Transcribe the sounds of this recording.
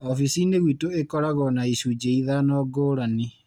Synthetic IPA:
ɔfisineɣwitoekɔɾaɣɔnaisud͡ʒeiðanɔːɡoːɾani

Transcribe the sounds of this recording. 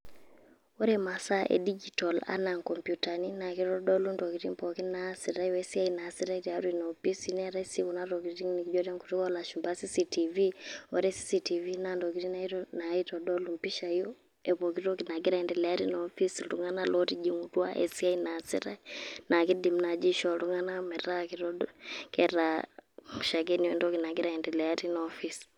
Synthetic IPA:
ɔɾɛmasaʔɛ̰did͡ʒitɔla̰naŋkɔmpjutaninakiɾɔdɔlundɔkiɾimpɔkinasiɾaɔɛsiainasiɾaiɾiaɾwinaɔpisinɛɾaisiunaɾɔɡiɾiŋnikd͡ʒɔɾɛŋku̥tukɔlaʃumbasisitiviɔɾɛsi̥sitivinandɔk̬iɾinaiɾɔnaitɔdɔlumpiʃaijɔ | ɛβɔkiɾɔkinaɡɛɾaɛndɛlɛaɾinɔfisluŋanalɔtid͡ʒiŋutwa̰ʔɛ̰siainasḭɾanakidim̩nad͡ʒiʃɔluŋanamɛɾakiɾɔdɔkɛɾa | uʃaɡɛniɔndɔkinaɡiɾaɛndɛlɛaɾinɔfis

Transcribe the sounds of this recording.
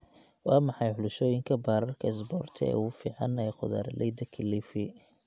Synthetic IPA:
wɑːmɑħɑjħʊlʊʃɔːjɪŋkʰɐbaːɾɐrkʰɐɛs̬bɔːrt̪ʰɐ̰ɛ̰ːufiːʕɑnɛjqʊða̰ːɾlʔɛjd̪ɐkʰɪlifɪ

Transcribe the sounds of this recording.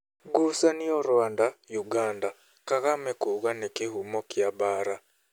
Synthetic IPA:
ɡusanioɾwaːndajuɡaːnda | kaɣamɛkuɣanekehumɔkjabaːɾa

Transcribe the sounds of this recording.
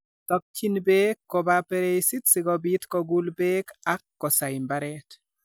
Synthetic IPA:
t̪ɔk̚t͡ʃinbekːɔbapeɾejsit̪sɪɡɔbit̪kɔɡulbekakːɔsaɪmbaɾɛt̪

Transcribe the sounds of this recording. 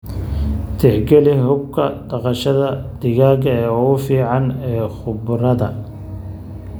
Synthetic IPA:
t̪ʰɪħɡɛlɪɦʊb̚kʰɐd̪ɑqɑʃɐðɐd̪̥ɪɣaːɣɐɛːʊʊfiːʕɑnɛːχʊbʊɾɐðɐ

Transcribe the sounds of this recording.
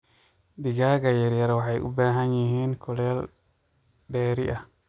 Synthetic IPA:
d̪iɡaːɡajɛɾjaɾwaħajʔṵbaːɦanjihiːnkʰɔlɛl | ɗɛːɾiʔa

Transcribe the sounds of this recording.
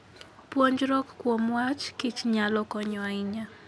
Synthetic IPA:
pwoɲd͡ʒɾɔkkːwomwat͡ʃkɪt͡ʃɲalɔkɔɲɔaɪɲa

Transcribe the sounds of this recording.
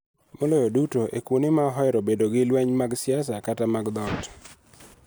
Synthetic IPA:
molɔjodutoʔḛkwonɪmaɦɔjɾobedoɡɪlwɛɲmaɡsɪas̬akatamaɡd̪ɔt

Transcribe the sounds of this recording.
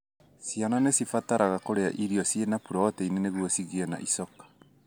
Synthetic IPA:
sijanɔnesifataɾaɣakoɾea̰ʔiɾiɔsjenapuɾɔɔtɛineneɣwɔsiɣiɛna̰ʔisɔkḁ

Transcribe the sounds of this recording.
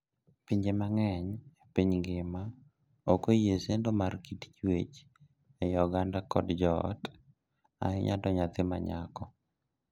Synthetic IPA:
piɲd͡ʒemaŋɛɲepiɲɡɪma | okojesendomarkitt͡ʃwet͡ʃ | ɛjɔɡandakɔdd͡ʒɔ̰t | a̰ɪɲa̰dɔɲat̪ɪma̰ɲakɔ

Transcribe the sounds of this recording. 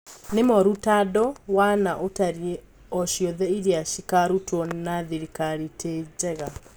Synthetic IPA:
nemɔɾutadɔwanaʔotaɾie | ɔʃjɔðɛiɾiaʃikaɾutwɔnnaðiɾikaɾitʰed͡ʒɛɣa

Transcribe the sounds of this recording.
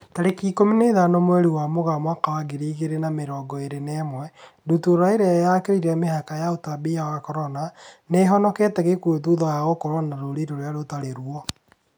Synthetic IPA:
taɾekikomineðanomwɛɾiwamoɣamwakawaɡeɾiːɣeɾenameɾɔːɡɔeɾenɛmwɛdutuɾaeɾeajakeɾiɾɛmehakajaotabiawakɔɾɔnaneɦɔnɔkɛtɛɣekuetuðɔjaɣokɔɾwonaɾoɾiɾoɾojaɾotaɾeɾwɔ

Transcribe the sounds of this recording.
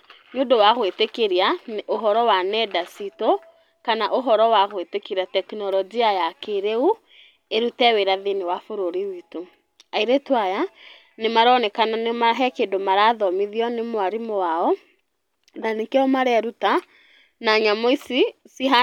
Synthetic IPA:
ɲondowaɣwetekeɾianʔoɦɔɾɔwanɛdasito | kanaʔoɦɔɾɔwaɣwetekeɾiatɛknɔlɔd͡ʒiajakeɾeu | eɾutɛweɾaðenewafoɾoɾiwito | aiɾetwaja | nemaɾɔnɛkananemaɦɛkeːndomaɾaðɔmiðiɔnemwaɾimowaɔ | nanekeɔmaɾɛɾuta | naɲamɔisisiɦa

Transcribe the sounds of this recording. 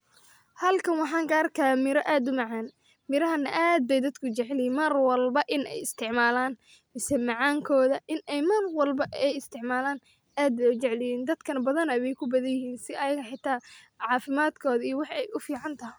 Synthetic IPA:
hɐlkʰɐnwɑħɑːŋɡaːrkʰɐmɪɾɔʔaːd̪ʊmɑʕɑːn | mɪɾɐɦɐnɐʔaːd̪̚bɛjd̪ɐd̪kʰʊt͡ʃɛʕlɪjiːnmɐrwɐlbɐʔɪnʔɛ̰jɪst̪ʰɪʕmaːlaːn | mɪsɛmɑʕɑːŋkʰɔːðɐʔɪnɛjmɐrwɐlbɐʔɛjɪst̪ʰɪʕmaːlaːn | ʔaːd̪̚bɛʊt͡ʃɛʕlɪjiːnd̪ɐd̪kʰɐnɐbɐðɐnɐwɛjkʰʊbɐðɐnjɪɦiːnsɪɐjɐɣɐħɪt̪ʰaː | ʕɑːfɪmaːd̪kʰɔːðɐiːɔwɑħɛjʔʊfiːʕɑnt̪ʰɐɦɪj

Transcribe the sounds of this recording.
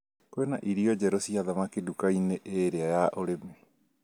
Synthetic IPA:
kwenaʔiɾiɔd͡ʑɛɾosiaðamakedukaineʔeɾeajaʔoɾeme

